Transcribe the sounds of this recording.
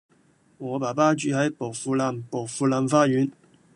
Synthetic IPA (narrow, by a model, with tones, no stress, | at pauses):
ŋɔː˨˧paː˨˩paː˥t͡ʃyː˨˧˥hɐ˨˥jpo˨˩wfuː˧laː˨˧˩mpo˨˩wfuː˧laː˨˧mfaː˥ɥyː˨˥n